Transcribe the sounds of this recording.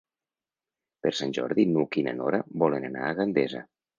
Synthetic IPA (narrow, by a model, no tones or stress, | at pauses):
pəɾsanʲʒɔ̰ɾðinukinə̰nɔɾabɔlenana̰ːɣɾand̪ezə